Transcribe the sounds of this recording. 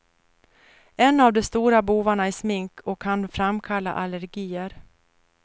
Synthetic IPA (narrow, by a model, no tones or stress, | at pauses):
ɛnːavd̪ɔst̪uːɾabuːvaɳaɛsmɪŋkʰɔkʰːanfɾamkʰalːa̰ʔaləɾɡiːəɾ